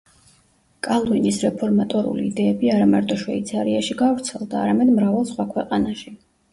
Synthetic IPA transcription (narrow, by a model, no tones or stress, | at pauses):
kʼalˠvinisɾɛpʰɔɾmat̪ʼɔɾṵliːd̪ɛːbiaɾamaɾt̪ʼɔʃwɛ̰it̪sʰaɾiaʃiɡavɾt̪sʰɛlˠd̪aːɾamɛd̪mɾavalˠsχwakʰwɛqʼanaʃi